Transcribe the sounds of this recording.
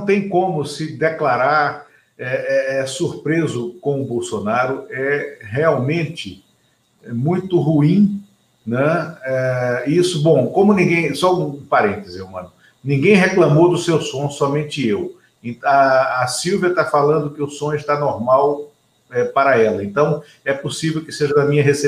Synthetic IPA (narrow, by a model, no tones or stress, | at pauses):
nɐ̃w̃t̪ẽj̃kõmʊsɪd̪eklaɾaɾ | ɛɛɛsuɾpɾezʊkõw̃ʊbowsonaɾʊɛɦeawmẽt͡ʃɪ | ɛmũj̃t̪ʊɦuĩ | nɛɛisʊbõkõmʊnĩɡẽj̃sɔũũpaɾẽnt̪ezɪewmɐ̰̃nʊ | nĩɡẽj̃ɦeklɐ̃mowd̪ʊsewsõsɔmẽnt͡ʃɪew | ẽɐːsiwviɐt̪afalɐ̃nd̪ʊkɪʊsõɲɪʃt̪anoɾmaw | ɛpaɾɐɛlɐẽnt̪ɐ̃w̃ | ɛposivewkɪseʒɐd̪ɐmĩɲɐɦese